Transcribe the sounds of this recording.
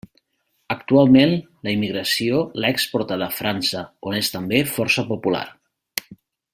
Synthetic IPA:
ək̚t̪ualˠmen | ləimiɣɾəsiolaɛkspɔɾt̪aðəfɾansəonest̪əmbefɔɾsəpupula̰ɾ

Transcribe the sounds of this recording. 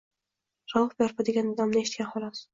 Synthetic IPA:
ɾɒwhbjɒɾpad̪eɡʲanɒd̪amnɪeʃɪ̥t̪kʲanχɒlˠɒs

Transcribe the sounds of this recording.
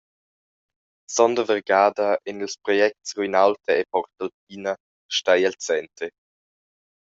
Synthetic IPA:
sɔndəvəʁɡaːdɐʔɛnilspɾɔjɛk̚tsʁuinawtʰəepɔɾtalp̚iːnɐ | ʃtajɛlt͡sɛnte

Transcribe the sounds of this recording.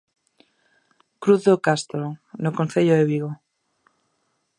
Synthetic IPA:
kɾuθðokast̪ɾonokõnθeʎoðeβiɣo

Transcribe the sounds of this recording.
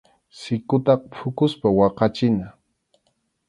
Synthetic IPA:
sɪkʊt̪ɑqpʰʊkʊspawɑqɑt͡ʃɪna

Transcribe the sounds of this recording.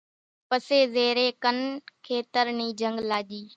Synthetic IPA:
pəseːzeːɾeːkənkʰeːt̪əɾniːd͡ʒəŋɡlaːʄiː

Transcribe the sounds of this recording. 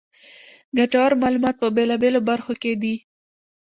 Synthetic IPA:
ɡaʈawaɾmɑlumɑt̪̚pəbelɑbelobaɾxoked̪i

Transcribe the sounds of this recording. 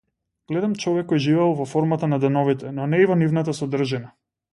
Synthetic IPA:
ɡ̥lɛd̪amt͡ʃɔvɛkːojʒivɛlˠvɔfɔɾmat̪anad̪ɛnɔvit̪ɛnɔnɛivɔnivnat̪̬asɔd̪r̩ʒɛna

